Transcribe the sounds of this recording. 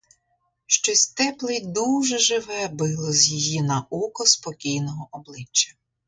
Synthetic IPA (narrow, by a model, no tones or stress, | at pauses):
ʃt͡ʃɔsʲt̪ɛplˠɪjd̪uʒɛʒɪʋɛbɪlˠɔzʲjijinɐʔukɔspɔkʲijnɔɦɔʔɔblˠɪt͡ʃːɐ̥